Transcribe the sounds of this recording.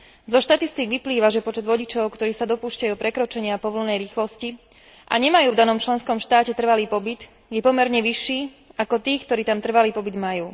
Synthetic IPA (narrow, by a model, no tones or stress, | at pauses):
zɔʃt̪at̪ist̪iɡʋipliːʋaʒɛpɔt͡ʃɛd̪ʋɔɟit͡ʃɔʊkt̪ɔɾiːsad̪ɔpuːʃcajuːpɾɛkɾɔt͡ʃɛɲɪapɔʋl̩nɛjɾiːxlɔsci | ʔa̰ɲɛmajuːvd̪anɔmt͡ʃlɛnskɔmʃt̪aːcɛt̪r̩ʋaliːpɔbit̪ | jɛpɔmɛɾɲɛʋiʃːiː | akɔt̪iːkt̪ɔɾiːt̪amt̪r̩ʋaliːpɔbid̪majuː